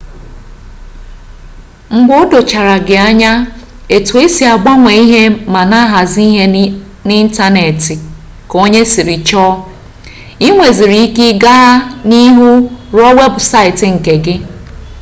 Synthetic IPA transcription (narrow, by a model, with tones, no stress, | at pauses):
ŋ͡m̩˨ɡ͡bʊ˦ʊ˦do˨t͡ʃa˨ɾa˨ɡɪ˨a˦ɲa˦ | e˨tu˨e˦si˨a˨ɡ͡ba˦ŋʷe˨i˦ɦe˦ma˨na˦ɦa˨zi˦i˦ɦe˦ | nɪ˦n̩˦ta˦ne˨tɪ˨ | ko˦ɲe˦si˨ɾi˨t͡ʃɔ˦ | i˦ŋʷe˨zi˨ɾi˨˦i˦kɪ˦ɡa˦ɦa˦ni˦ɦu˦ɾɔ˦we˦bʊ˨sa˦ɪ˨tɪ˨ŋ̩˨ke˨ɡɪ˦